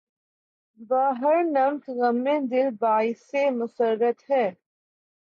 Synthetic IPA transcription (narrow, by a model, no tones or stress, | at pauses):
baːɦəɾnɐmtɣɐmːẽːd̪ɪlbaːisemʊsəɾːət̪ɦɛː